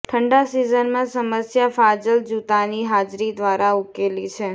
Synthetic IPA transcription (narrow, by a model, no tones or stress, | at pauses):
ʈʰəɳɖasizənmãsəməsjafad͡ʒəld͡ʒut̪aniɦad͡ʒɾid̪ʋaɾaukelit͡ʃʰe